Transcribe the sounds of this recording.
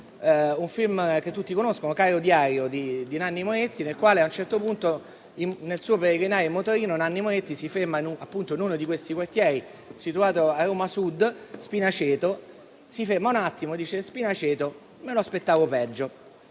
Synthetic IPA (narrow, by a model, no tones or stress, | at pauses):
uɱfilmk̟et̪ːut̪ːikonoskonokaɾod̪jaːɾjod̪id̪inanːimoet̪ːinelkwaːleaunt͡ʃɛrt̪opunt̪o | imnelsuːopeɾeɡinaːɾjomot̪oɾiːnonanːimoet̪ːisifermainuapːunt̪oinunod̪ikwest̪ikwart̪jɛːɾi | sit̪uaːt̪oaroːmasud̪spinat͡ʃɛːt̪o | sifermaunat̪ːimod̪iːt͡ʃespinat͡ʃeːt̪o | meloaspet̪ːaːvopɛd͡ʒːo